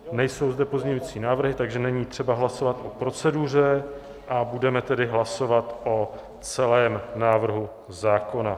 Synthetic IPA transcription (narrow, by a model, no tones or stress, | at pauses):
nɛjso̞wzdɛpozɲɛɲujit͡siːnaːvr̩ɦɪt̪aɡʒɛnɛɲiːt̪r̝̥ɛbaɦlaso̞vat̪ʔo̞pɾo̞t͡sɛdur̝ɛ | ʔabudɛmɛt̪ɛdɪɦlaso̞vat̪ʔo̞ | t͡sɛlɛːmnaːvr̩ɦu | zaːko̞na